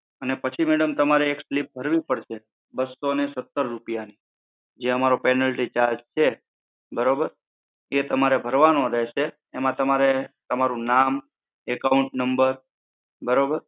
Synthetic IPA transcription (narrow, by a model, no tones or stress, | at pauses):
ənepət͡ʃʰimeɽəmt̪əmaɾeːkslip̚bʱəɾʋipəɽʃe | bəsːonesət̪ːəɾːupjani | d͡ʒeəmaɾopɛnəlʈit͡ʃaɾd͡ʒt͡ʃʰe | bəɾobəɾ | et̪əmaɾebʱəɾʋanoɾɛɦʃeː | mãt̪əmaɾet̪əmaɾũnam | ɛkauɳʈnəmbəɾ | bəɾobəɾ